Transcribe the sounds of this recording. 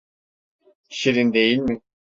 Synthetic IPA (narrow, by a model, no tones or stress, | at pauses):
ʃiɾind̪ejilʲmɪ